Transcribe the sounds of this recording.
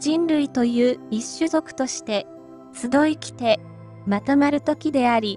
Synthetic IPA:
d͡ʑĩnɾɯ̟it̪o̞jɯ̟ːiɕːɨzo̞kɯ̟̥t̪o̞ɕi̥t̪e̞ | t͡sɨd̪o̞ikʲi̥t̪e̞ | mat̪omaɾɯ̟t̪o̞kʲid̪e̞aɾʲi

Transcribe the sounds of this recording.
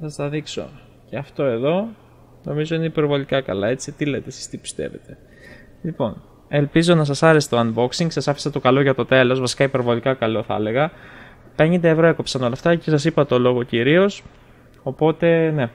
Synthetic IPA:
sɐst̪ɐðikso̞̰ | ceɐft̪o̞e̞ðo̞ | no̞mizo̞ineipe̞ɾvo̞likɐkɐ̰lɐe̞t͡sit̪ilet̪esi̥st̪ipi̥st̪e̞̰ve̞̰t̪e̞̥ | lipo̞̰n | e̞lpizo̞nɐsɐsɐɾe̞set̪oɐnbo̞ksiŋɡsɐsɐfi̥sɐt̪o̞kɐlo̞ʝɐt̪o̞t̪e̞lo̞zvɐsi̥kɐipe̞ɾvo̞likɐkɐlo̞θɐ̰le̞ɣɐ | pe̞ɲnd̪evɾo̞e̞ko̞psɐno̞lɐft̪ɐcesɐs̬ipɐt̪o̞lo̞ɣo̞ciɾio̞s | o̞po̞t̪e̞ne̞

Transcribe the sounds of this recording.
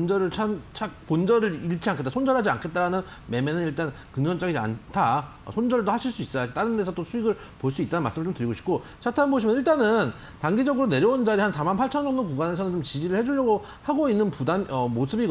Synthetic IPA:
ond͡ʑʌɾɯɭt͡ɕʰant͡ɕʰak̚pond͡ʑʌɾɯɾiɭt͡ɕʰianŋkʰet͈asʰond͡ʑʌɭɦad͡ʑia̰nkʰe̞t̚t͈aɾanɯn | me̞menɯniɭt͈an | kɯŋɲʌnt͡ɕ͈aɡid͡ʑia̰ntʰa | ʌ̰sʰond͡ʑʌɭdohaɕʰiɭs͈uis͈ʌat͈aɾɯndesʰʌt͈osʰuiɡɯɭ | poɭs͈uit͈anɯnma̰ɭs͈ɯmɯɭt͡ɕomtɯɾiɡoɕʰi̥p̚k͈o | t͡ɕʰatʰanboɕʰimʌniɭt͈anɯn | taŋɡid͡ʑʌɡɯɾone̞ɾjʌund͡ʑaɾihansʰamanpʰaɭt͡ɕʰʌnd͡ʑʌŋdokuɡane̞sʰʌnɯnt͡ɕomt͡ɕid͡ʑiɾɯɭhe̞d͡ʑuʎːjʌɡo | haɡoinːɯnpudanʌmosʰɯbiɡ

